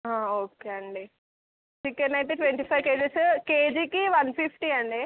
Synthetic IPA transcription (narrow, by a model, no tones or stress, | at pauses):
ɦãːoːkeɐɳɖi | t͡ʃikːɐnːɐjʈeʈʋeɳʈiːpʰɐjʋkeːd͡ʒiskeːd͡ʒikiʋɐnpʰipʰʈiɐɳɖi